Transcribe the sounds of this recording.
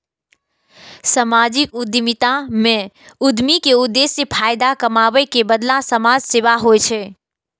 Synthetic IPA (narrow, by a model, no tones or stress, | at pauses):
səmad͡ʒikud̪mit̪amẽ | ud̪mikeʊd̪ːesːepʰajd̪akəmabəjkebəd̪lasəmad͡ʒseʋaɦojt͡ʃʰɛ